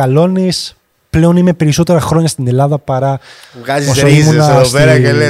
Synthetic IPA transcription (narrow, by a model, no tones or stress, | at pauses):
ɐlo̞nis | ple̞o̞nimepe̞ɾiso̞t̪e̞ɾɐxɾo̞ɲɐst̪ine̞lɐðɐpɐɾɐɣɐzosoimunɐsopeɾɐel